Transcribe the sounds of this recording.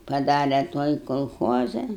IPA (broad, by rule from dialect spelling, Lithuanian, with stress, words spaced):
pɐˈdɑːrʲɛ ˈtuɔj koːlˠˈxoːzɐ